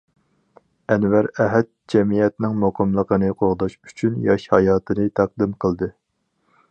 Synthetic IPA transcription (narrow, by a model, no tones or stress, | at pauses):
ɛnvæɾɛɦɛt̪̚d͡ʒɛmijɛt̪nɪŋmoqʰəmlˠəqʰənɨqʰoɾʁd̪ɑʃy̥t͡ʃʰynjɑʃhɑ̰jɑːt̪ʰɨnɨt̪ʰɑq̚d̪ɨmqʰəlˠd̪ɨ